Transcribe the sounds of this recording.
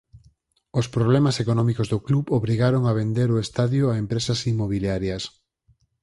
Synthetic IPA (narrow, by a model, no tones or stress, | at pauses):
ospɾoβlɛmasekonɔmikozðokluβoβɾiɣaɾoŋaβ̞end̪eɾoest̪aðjoaempɾesɐsimːoβ̞iljaɾjɐs